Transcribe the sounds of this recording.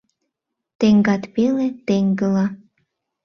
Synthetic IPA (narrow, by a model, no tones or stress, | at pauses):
t̪eŋɡɑt̪pelet̪eŋɡə̆lɑ